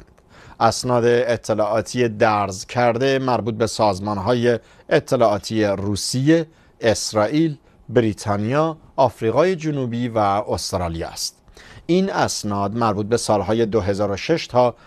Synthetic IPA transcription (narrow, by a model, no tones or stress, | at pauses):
ʔæsnɒːd̪e̞ːt̪ʰːe̞lɒːʔɒːt̪ʰije̞d̪æɾzcʰæɾd̪e̞mæɾbuːt̪̚be̞sɒːzmɒːnɦɒːjeː | t̪ʰːe̞lɒːʔːt̪ʰiːjeɾuːsije | esɾɒːʔiːl | bɾiːt̪ʰɑːnijɒː | ɒːfɾiːɣɒːje̞d͡ʒonuːbiːvæost̪ɾɒːlijɑ̰st̪ | iːnæsnɒːd̪mæɾbuːt̪̚be̞sɒːlɦɒːje̞d̪oɦe̞zɒːɾoʃe̞ʃt̪ʰɒː